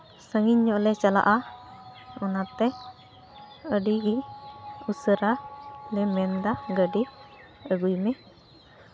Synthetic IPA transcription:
səŋiɲːɔʔlɛt͡ʃala̰ʔa | ɔnat̪ɛ | əɖiɡi | usəɾalɛmɛnd̪aɡəɖi | əɡujmɛ

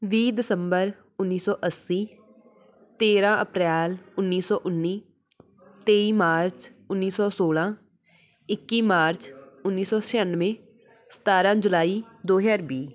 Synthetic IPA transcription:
ʋiːd̪ɪsəmbəɾ | ʊnːiːsɔːʔəsːiː | t̪eːɾãːʔəpɾɛːlʊnːiːsɔːʔʊnːiː | t̪eːiːmaːɾt͡ʃʊnːiːsɔːsoːlãː | ɪkːiːmaːɾt͡ʃʊnːiːsɔːt͡ʃʰɛənːʋẽː | sə̥t̪aːɾãːd͡ʒʊlaːiː | d̪oːɦəɾbiː

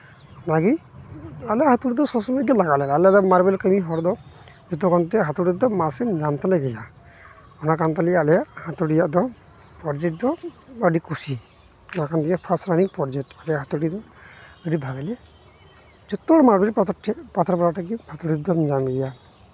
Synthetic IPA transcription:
ɔnaɡi | alɛjahat̪uɽid̪ɔsɔsɔmeɡalaɡalɛalɛjad̪ɔmaɾbɛlkəmiɦɔɾd̪ɔ | d͡ʒut̪ɔkant̪ɛɦat̪uɽid̪ɔmasɛd͡ʒamt̪ɛlɛɡɛja | ɔnakant̪alialɛjaʔhat̪uɽijaʔd̪ɔ | pɔɾd͡ʒɛʈ̚d̪ɔ | əɖikʰusi | ɔnakant̪ʰɛapʰastɾaniŋpɔɾd͡ʒetalɛjaɦat̪uɽid̪ɔ | əɖibʱabɛlɛ | d͡ʒɔt̪ːɔɽɔmaɾbiʈp̪ʰpat̪ʰɔɾbaɾaʈaɡihat̪uɽid̪ɔd͡ʒamɡɛja

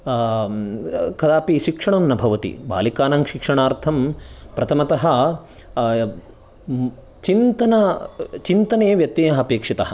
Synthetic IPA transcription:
kɐd̪aːpiʃikʂɐɳɐnnɐbʱɐʋɐt̪ḭba̰ːlikaːnɐŋʃikʂɐɳaːɾt̪ʰɐmpɾɐt̪ʰɐmɐt̪ɐɦɐ̆ | t͡ʃint̪ɐnɐt͡ʃint̪ɐneːʋjɐt̪ːeːɐɦɐpeːkʂit̪ɐɦɐ̆

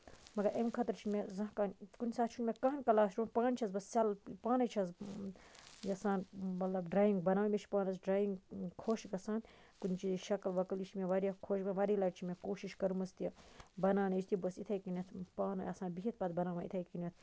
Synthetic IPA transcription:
mɐɡɐɾemkʰɐt̪ɾt͡ʃʰinmezɐ̃ɦkaːnkunʲisaːt̪̚t͡ʃʰunʲmekaːnkɐlaːsɾuːnpãːnt͡ʃʰɐzbɐsːʲalpaːnɐt͡ʃʰɐz | jɐsãːnmɐt̪lɐbɖɾaːjiŋɡbɐnaːʋmʲet͡ʃʰi̥paːnɐsɖɾaːjiŋɡkʰoːʃɡɐsãːn | kunʲit͡ʃiziʃɐklʋɐklit͡ʃʰmeʋaːɾʲjkʰoːʃbɐnʋaɾilaːʈt͡ʃʰimekoːʃiʃkɐɾumɐst̪iɐbɐnaːnɐt͡ʃʰʲt̪ʰibɐsit̪ʰɐːjkinʲet̪ʰpaːnɐɐsaːnbiɦit̪̚ʰpɐt̪bɐnaːʋãḭt̪ʰejkinɐt̪ʰ

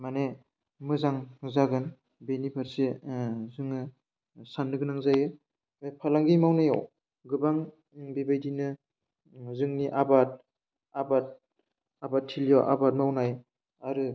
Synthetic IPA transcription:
mane | mɯzaŋzaɡɯn | benipʰaɾsezɯŋɯ | sanːɯɡɯnaŋzajɯ | mepʰalaŋɡimawnaja̰w | ɡɯbaŋ | bibajdinɯ | zɯŋniʔabat̚ | abat̚ | abatʰːilijawʔa̰bat̚mawnaj | aɾɯ

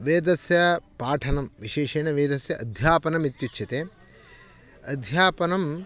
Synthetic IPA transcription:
ʋeːd̪ɐsjɐpaːʈʰɐnɐmʋiʃeːʃeːnɐʋeːd̪ɐsjɐʔɐd̪ʱjaːpɐnɐmit̪jut͡ʃʰjɐt̪eː | ɐd̪ʱjaːpɐnɐm

